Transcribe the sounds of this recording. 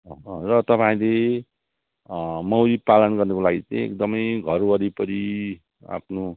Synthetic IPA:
ʌrʌt̪ʌpaĩle | mʌwɾipalʌnɡʌrnʌkolaɡit͡saĩḛkd̪ʌmʌjɡʱʌɾwʌɾipʌɾi | a̰pʰno

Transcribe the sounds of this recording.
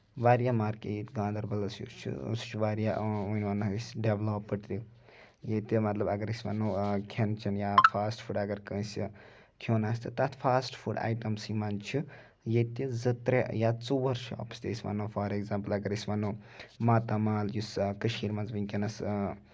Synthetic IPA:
ʋaːɾjamaːɾkḛjit̪ɡãːd̪ɐɾbɐlɐsjṵst͡ʃʰṵst͡ʃʰuʋaːɾjaunʲʋɐnːɐisɖeʋlopːɨʈt̪ʲi | jet̪imɐt̪lɐbɐɡɐɾisʲʋɐ̰nːokʲʰent͡ʃʰinjapʰaːsʈpʰuɖɐɡɐɾkə̃ːsʲi | kʰjoːnaːst̪ʰit̪at̪ʰfʰaːsʈpʰuɖa̰ːjʈɐmsimant͡ʃʰu | jet̪izɐt̪ɾejat͡suʋɐɾʃʰɔ̰ːpst̪ʲḛisʲʋa̰nːofʰaːɾeɡzaːmpəlɐɡɐɾisʲʋɐnːoːmaːt̪amaːljuskɐʃiːɾmɐnzʋikʲenɐs

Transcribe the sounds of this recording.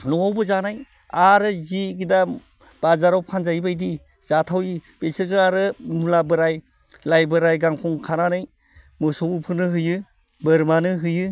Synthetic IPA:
nɔawbɯzanaj | aɾɯziɡida | b̥azaɾawpʰanzajbajdi | z̥atʰawib̥esɯɡɯaɾɯmulabɯɾaj | lajbɯɾajɡaŋkʰɔŋkʰananaj | mɯsɔwupʰɯɾnɯɦɯjɯ | bɯɾmanɯɦɯjɯ

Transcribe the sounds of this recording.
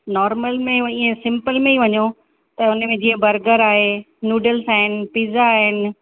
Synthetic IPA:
nɔːɾməlmẽĩːẽsɪ̃mpəlmẽiʋɐɲo | t̪ɐʊnə̆mẽd͡ʑĩːə̃bɐɾɡəɾaːɦe | njuːɖəlsaːɦɪnɪ̆piːzaːɦɪnɪ̆

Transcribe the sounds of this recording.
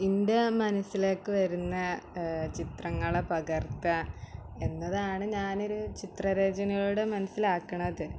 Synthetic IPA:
inde̞mɐnɐsːile̞ːkːɨʋɐɾunːɐt͡ɕit̪rɐŋːɐɭepɐɣɐrt̪ɐ | e̞nːɐðaːɳɨɲaːnoɾut͡ɕit̪rɐɾe̞ːd͡ʑɐnɐɣɐɭuɽe̞mɐnɐsːilaːkːɐɳɐðɨ

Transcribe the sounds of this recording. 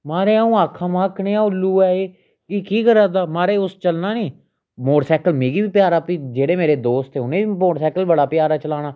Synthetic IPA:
maːɾeːaːũːaːkʰːãːmãːkʰneːãːʊlːuːɛːeː | kiːkiːkəɾaːd̪aːmaːɾeːʊst͡ʃəlnaːnĩː | moːɽsɛːkəlmeːɡiːbiːpɪjaːɾaːpiːd͡ʒeːɽeːmeːɾeːd̪oːst̪eːʊnẽːimoːɽsɛːkəlbəɽaːpɪjaːɾaːt͡ʃəlaːɽ̃aː

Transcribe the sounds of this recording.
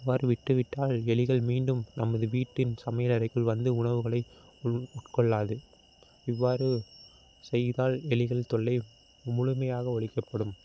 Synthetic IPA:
ɪʋːaːɾɯʋɪʈːɯʋɪʈːaːlɛɭɪɣɐɭmiːɳɖɯmnɐmːɐðɯʋiːʈːɪnsɐmɐjɐlɐɾɐɪkːɯɭʋɐnd̪ɯʊɳɐʋɯɣɐɭɐɪ | ʊʈkɔɭːaːðɯ | ɪʋːaːɾɯ | sɛjðaːlɛlɪɣɐɭt̪ɔɭːɐɪ | mʊɻʊmɐjaːɣɐɔɭɪkːɐpːɐɽɯm

